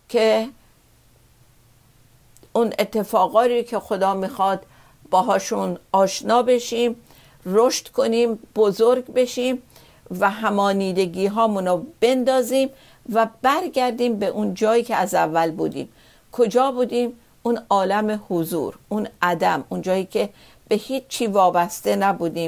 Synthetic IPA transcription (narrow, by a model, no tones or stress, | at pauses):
kʰe | unet̪ʰːe̞fɒːɣɒːɾikʰe̞xod̪ɒːmiːxɒːd̪̥ | bɒːɦɒːʃunɒːʃnɒːbe̞ʃiːm | roʃt̪kʰo̞niːmb̥ozoɾɡbe̞ʃiːm | væɦæmɒːniːd̪e̞ɡiːɦɒːmunɔːb̥e̞nd̪ɒːziːm | væbæɾɡæɾd̪iːmbeʔund͡ʒɒːjiːkʰeæzævːælbuːd̪ḭːm | kʰod͡ʒɒːbuːd̪iːm | unɒːlæmehozṵːɾunæd̪æmund͡ʒɒːjiːcʰe̞ | b̥e̞hiːt͡ʃt͡ʃʰːiːvɒːbæst̪e̞næbuːd̪iːm